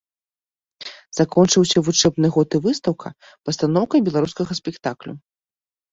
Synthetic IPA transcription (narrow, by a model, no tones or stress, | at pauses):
zakɔnt͡ʂɨwsʲɐvut͡ʂɛbnɨɣɔt̪ɨvɨst̪ɐwkʰɐ | pɐst̪anɔwkɐjbʲɛlˠaɾuskɐɣɐsʲpʲɛkt̪aklʲṵ